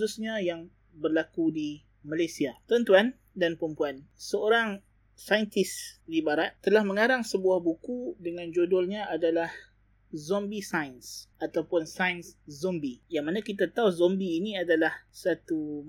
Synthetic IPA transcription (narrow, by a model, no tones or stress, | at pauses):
susɲãjaŋ | bərlakudi | malajsiat̪ənt̪uan | danpəɾəmpuansəoɾaŋ | sajnt̪ɪsdibaɾat̪t̪ːəlahmə̃ŋaɾaŋsəbuahbukudəŋãnd͡ʒodɔlɲãadalah | zɔmbisajnsat̪awpʊnsajnszɔmbijaŋmanãkit̪at̪auzɔmbiːniadalahsat̪u